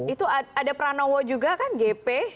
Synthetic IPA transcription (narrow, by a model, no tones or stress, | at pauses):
it̪uaadapəɾanɔwɔd͡ʒuɡakanɡepɛ